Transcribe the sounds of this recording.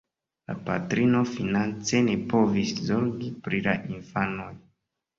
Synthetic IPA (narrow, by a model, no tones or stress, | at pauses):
la̰patɾino̞finant͡se̞nepo̞viszo̞ɾɡipɾilaʔinfano̞j